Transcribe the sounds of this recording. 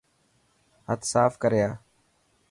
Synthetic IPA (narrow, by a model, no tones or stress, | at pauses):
ɦət̪saːfkəɾjaː